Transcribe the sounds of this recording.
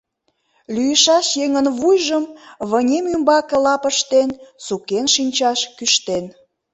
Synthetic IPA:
lyjəʃɑʃjeŋənβujʒəmβənʲemymbɑkelɑpəʃt̪ensukenʃinʲt͡ɕɑʃkyʃt̪en

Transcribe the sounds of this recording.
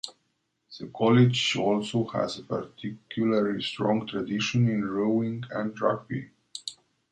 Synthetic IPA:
ð̥əkʰɔlɪd͡ʒɔlsohæ̰zəpaɹt̪ʰikʰjuləlistɹɔ̃ŋɡt̪ʰɹadiʃə̃nĩnɹoʊɪ̃ŋɡæ̃ndɹa̰k̚bḭ

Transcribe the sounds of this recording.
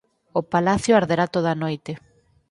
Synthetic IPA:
opalaθjoaɾðeɾat̪oðanojt̪e

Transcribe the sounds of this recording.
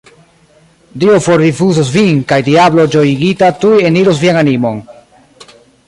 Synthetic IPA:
diofoɾdifuzosvinkajdiablo̞d͡ʒojiɡitatujeniɾosviananimo̞n

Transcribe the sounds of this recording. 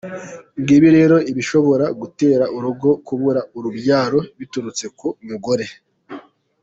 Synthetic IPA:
ŋɡiːβiɾe̞ːɾo̞iβiʃo̞βo̞ɾaɡute̞ːɾaʔuɾuɡo̞kuβuɾauɾubɟjaːɾo̞βituɾut͡se̞kumuɡoɾe̞

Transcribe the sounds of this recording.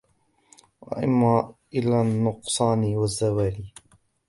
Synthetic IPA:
waʔɪmːaʔɪlaːnːʊqsˤɑːniwazːawaːliː

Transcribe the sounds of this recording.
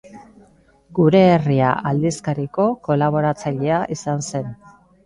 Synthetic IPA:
ɡuɾe̞ːriaʔald̪iskaɾiko̞ko̞laβ̞o̞ɾat͡saʎe̞aʔisanse̞n

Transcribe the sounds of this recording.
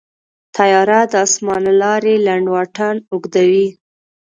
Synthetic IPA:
t̪ʰajɑɾad̪əɑsmɑnalɑɾelaɳɖwɑʈanʊɡd̪awi

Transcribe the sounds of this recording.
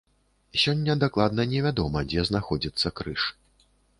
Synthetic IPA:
sʲɔnʲːɐd̪aklˠad̪nɐnʲɛvʲad̪ɔmɐd͡zʲɛznaxɔd͡zʲit̪sːɐkɾɨʂ

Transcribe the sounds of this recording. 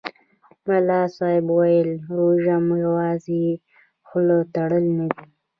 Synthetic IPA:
malɑsɑhɪbwajəlɾoʒamjawɑzi | xlot̪aɽəlnadi

